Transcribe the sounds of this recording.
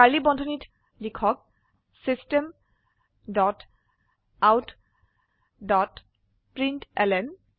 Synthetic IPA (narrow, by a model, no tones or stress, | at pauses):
kalibɔndʱɔnit | likʰɔk̚ | sistem | dɔt | awt | dɔt | pɹintɛlɛn